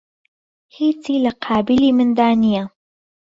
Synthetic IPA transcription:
hiːt͡siːlɐqʰɑːbɪliːmɨnd̪aːnija

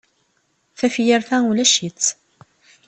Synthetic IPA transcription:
θæfjəɾθæulæʃit͡sː

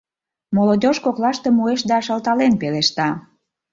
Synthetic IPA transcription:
molod̪ʲoʃkoklɑʃt̪emueʃd̪ɑːʃɑlt̪ɑlenpeleʃt̪ɑ

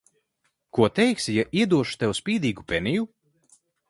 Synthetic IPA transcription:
kuɔt̪ɛjksijaʔiɛd̪uɔʃu̥t̪ɛwspʲiːd̪iːɡupʲɛniju

